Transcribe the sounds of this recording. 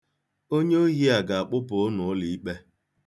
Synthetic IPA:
o˦ɲe˦o˦ɦi˦a˨ɡa˨a˨k͡pʊ˦pʊ˨˦nʊ˨˦li˨i˦k͡pe˦

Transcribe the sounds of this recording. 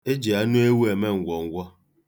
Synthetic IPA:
e˦d͡ʒi˨a˦nu˦e˦wu˦e˨me˦ŋ̩˨ɡʷɔ˨ŋ̩˦ɡʷɔ˦

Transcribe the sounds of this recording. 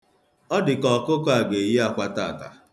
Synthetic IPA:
ɔ˦dɪ˨kɔ˨kʊ˦kɔ˦a˨ɡe˨je˦a˨kʷa˦ta̰ː˦˨ta̰˨

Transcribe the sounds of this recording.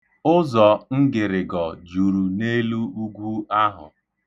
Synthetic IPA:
ʊ˦zɔ˨ŋ̩˦ɡɪ˨ɾɪ˨ɡɔ˨d͡ʒu˨ɾu˨ne˦lu˦u˦ɡʷu˦a˦ɦʊ̰˨

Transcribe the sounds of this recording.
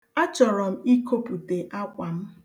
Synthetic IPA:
a˦t͡ʃɔ˨ɾɔ˨m̩˦i˦ko˦pu˨te˨ʔa˦kʷa˨m̩˦

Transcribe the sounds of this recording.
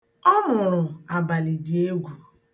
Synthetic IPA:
ɔ˦mʊ˨ɾʊ˨a˨ba˨li˨di˨e˦ɡʷu˨

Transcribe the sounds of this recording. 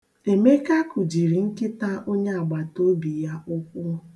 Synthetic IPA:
e˨me˦ka˦kʊ˨d͡ʒi˨ɾi˨ŋ̩˦kɪ˦ta˦ʔo˦ɲe˦a˨ɡ͡ba˨to˦bi˨ja˦ʊ˦kʷʊ˦

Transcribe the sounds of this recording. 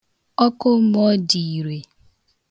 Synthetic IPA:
ɔ˦kʊ˦mɔ˦di˨i˨ɾe˨

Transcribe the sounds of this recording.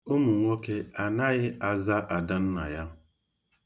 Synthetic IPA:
ʊ˦mu˨ŋʷo˦ke˦a˨na˦ɣɪ˦a˦za˦ʔa˨da˦n̩˦na̰˨ja˦

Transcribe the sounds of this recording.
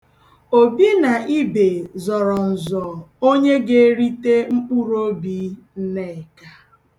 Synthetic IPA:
o˨bi˦na˨i˦be˨zɔ˨ɾɔ˨n̩˨zɔ˨o˦ɲe˦ɡe˦ɾi˦te˦ŋ͡m̩˦k͡pu˦ɾo˦bi˦n̩˦ne˦˨ka˦

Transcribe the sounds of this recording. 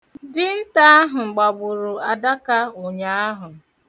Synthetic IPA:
dɪ˦n̩˦ta˦a˦ɦʊ˨ŋ͡m̩˨ɡ͡ba˨bʊ˨ɾʊ˨a˨da˦ka˦o˨ɲa˦a˦ɦʊ˨

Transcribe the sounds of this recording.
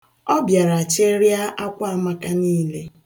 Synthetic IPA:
ɔ˦bja˨ɾa˨a˨t͡ʃe˦ɾja˦ʔa˦kʷa˦˨˦ma˦ka˦niː˦le˦

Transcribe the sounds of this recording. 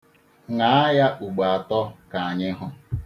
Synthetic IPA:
ŋa˨˦a˦ja˦ʔu˨ɡ͡ba˨tɔ˦ka˨a˨ɲɪ˦ɦʊ˨

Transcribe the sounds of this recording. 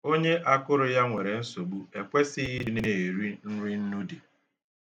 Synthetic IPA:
o˦ɲe˦ʔa˦kʊ˦ɾʊ˨ja˦ŋʷe˨ɾe˨n̩˦so˨ɡ͡bu˦e˨kʷe˦sɪ˦i˦ne˦e˨ɾi˦n̩˦ɾi˦n̩˦nu˦de˨

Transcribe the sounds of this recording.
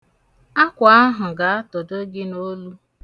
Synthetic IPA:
a˦kʷa˨a˦ɦʊ˨ɡa˨a˦tʊ˨do˦ɡɪ˦no˦lu˦

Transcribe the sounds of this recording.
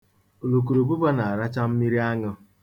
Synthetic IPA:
o˨lo˨k̬u˨ɾo˨bu˦pa˦na˨a˨ɾa˦t͡ʃa˦m̩˦mi˦ɾi˦a˦ŋʊ˦

